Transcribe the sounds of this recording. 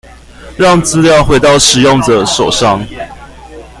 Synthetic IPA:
ɻɑ˥˨ŋt͡sɹ̩˥ljɑ˥˨ʊxwe˨˥ɪt̪ɑ˥˩ʊʂɻ̩˨˩˦jo˥˨ŋdə˨˩ʂo˨˩ʊʂɑ˥ŋ

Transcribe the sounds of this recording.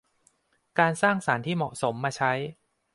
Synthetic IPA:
kaː˧nsaː˥˩ŋsaː˩˦nt̪ʰiː˥˩mɔ̰˨˩ʔso˩˦mːaː˧t͡ɕʰa˦˥j

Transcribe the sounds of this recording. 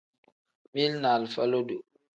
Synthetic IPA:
mi˦lna˨lfa˦lo˦du˨

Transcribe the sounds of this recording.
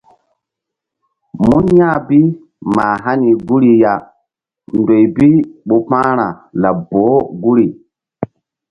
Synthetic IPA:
mu˦nja˦bi˦ | ma˨ɦa˦ni˨ɡu˦ɾi˨ja˨ | ndo˨jbi˦ɓo˨pãː˦ɾa˨la˨bo˨˦ɡu˦ɾi˨

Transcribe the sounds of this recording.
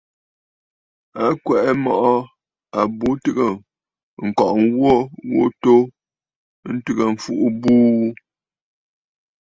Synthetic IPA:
a˦kwɛ˨ʔɛ˦mɔ˦˨ʔɔ˦ | a˨bu˦tɨ˦ɣə˨ | ŋ̩˨kɔ˨ʔŋwo˦wo̰˦to˦ | n̩˦tʉ˦ɣə˨ɱ̩˨fu˦ʔu˦buː˦

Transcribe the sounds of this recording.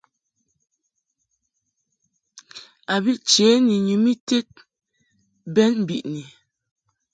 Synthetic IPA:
a˨bi˦ʔt͡ʃɛ˨˦ni˨ɲu˨mi˦te˦t̚ | bɛ˦nm̩˨bḭ˨ʔni˨

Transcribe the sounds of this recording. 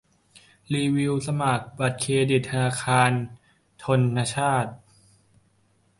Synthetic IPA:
liː˧wi˧wsa˧maː˨˩k̚ba˨˩t̪̚kʰeː˧di˨˩t̪̚ʰːa˧naː˧kʰaː˧n | t̪ʰo˧nːa˧˥t͡ɕʰaː˥˩t̪̚

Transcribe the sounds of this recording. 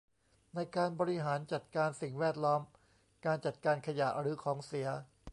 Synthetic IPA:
na˧jkaː˧nbɔː˧ɾi˦˥ɦaː˩˦nt͡ɕa˨˩t̪̚kaː˧nsi˨˩ŋwɛː˥˩t̪̚lɔː˦˥m | kaː˧nt͡ɕa˨˩t̪̚kaː˧nkʰa˧ja˨˩ʔɾɯː˩˦kʰɔː˩˦ŋsi˩˦ɐ

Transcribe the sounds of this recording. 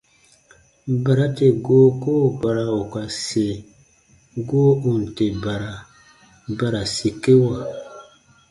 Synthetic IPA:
ba˨ɾa˦te˨ɡo˦koː˦˨ba˨ɾa˨o˨ka˨se˨ | ɡoː˦u˨n˨te˨ba˨ɾa˨ | ba˨ɾa˨si˨ke˦wa˨

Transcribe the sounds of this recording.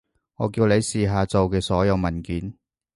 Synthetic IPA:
ŋɔː˨˧kiː˧wne˨˧jsiː˨ɦaː˨˧t͡so˨wkɛː˧sɔː˨˥jɐ˨˧wmɐ˨˩nkiː˨˥n

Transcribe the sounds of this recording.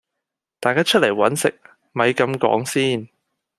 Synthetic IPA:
t̪aː˨jkaː˥t͡ʃʰt̚le˨˩jwɐ˨˥nsɪ˨k̚ | mɐ˨˧jkɐ˨˧mkɔ̰ː˨˥ŋsiː˥n

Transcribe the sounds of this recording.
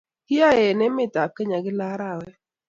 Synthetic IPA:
kɪ˦a˦ɛ˨nɛ˦mɪ˦˨ta˨ke˦ɲa˨ɡɪ˦la˦ɾa˦˨wɛ˦

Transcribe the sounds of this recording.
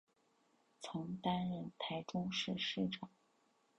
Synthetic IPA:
t͡sʰʊ˧˥ŋt̪a˥nɻə˥˩nt̪ʰa˧˥ɪʈ͡ʂʊ˥ŋʂɻ̩˥˧ʂɻ̩˥˩ʈ͡ʂɑ˨˩˦ŋ

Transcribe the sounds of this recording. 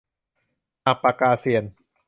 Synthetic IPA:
ʔa˧pa˧kaː˧si˧˩ən

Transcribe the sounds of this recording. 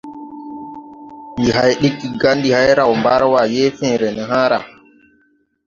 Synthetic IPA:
mi˨ɦa˨jɗi˦kːi˨ɡa˦ndi˨ha˦jɾa˨wmba˦ɾwa˨jɛ˦fɛ̃ː˨ɾɛ˨nɛ˨ɦaː˦ɾa˨

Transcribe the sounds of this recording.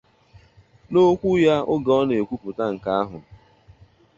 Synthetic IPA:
no˦kʷu˦ja˦ʊ˦ɡa˨ɔ˦ne˨kʷu˦pʊ˨ta˦ŋ̩˨ka˦a˦ɦʊ̰˨

